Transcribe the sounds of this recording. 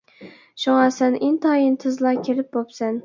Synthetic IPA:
ʃʊŋɑsænɪnt̪ʰɑjɪnt̪ʰɨzlˠɑkʲʰeɾɪp̚bopsɛn

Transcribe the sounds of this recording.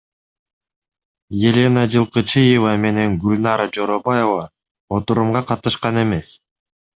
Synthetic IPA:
je̞lʲenɑd͡ʒɯlˠqɯt͡ʃɯjevɑme̞ne̞ŋɡylʲnɑɾad͡ʒo̞ɾobaje̞vɑ | o̞t̪uɾumʁɑqʰɑt̪ɯʃqɑne̞me̞s

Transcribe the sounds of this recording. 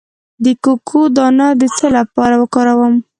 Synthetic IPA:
d̪əkokʰod̪ɑnad̪ət͡səlapɑɾawəkɑɾawəm

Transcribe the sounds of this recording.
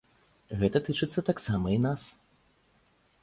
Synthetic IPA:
ɣɛt̪ɐt̪ɨt͡ʂɨt̪sːɐt̪aksamɐinas

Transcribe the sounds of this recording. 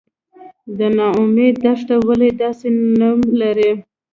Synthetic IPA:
d̪ənɑʊmed̪ːaʂʈawaled̪ɑsenalaɾi

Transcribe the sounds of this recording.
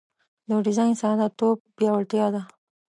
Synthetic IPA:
ləɖɪzɑjnsɑd̪at̪ob̚bjɑwaɽt̪jɑd̪a

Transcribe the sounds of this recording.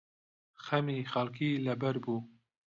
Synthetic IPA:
xɛmiːxalkiːlɛbɛɾbuː

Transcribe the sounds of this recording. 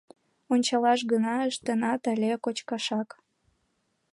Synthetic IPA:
onʲt͡ɕɑlɑʃ̬ɣənɑəʃt̪ənɑt̪ælʲekot͡ɕkɑʃɑk

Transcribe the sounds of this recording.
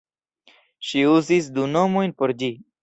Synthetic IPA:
ʃiuzisd̪unomojnpoɾd͡ʑi

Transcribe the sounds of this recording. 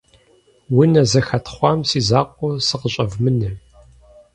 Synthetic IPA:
wʊnɐzɐxɐtʰχʷɑmsiːzaːqʷʼɔsɨqəɕʼɐvmɨnɨ

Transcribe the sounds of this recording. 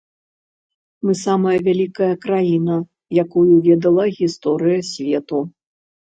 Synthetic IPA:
mɨsamɐjɐvʲalʲikɐjɐkɾajinɐ | jakujuvʲɛd̪ɐlˠɐɣʲist̪ɔɾɨjɐsʲvʲɛt̪u

